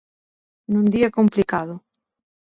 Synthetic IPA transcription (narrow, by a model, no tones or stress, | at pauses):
nũnd̪iakomplikaðo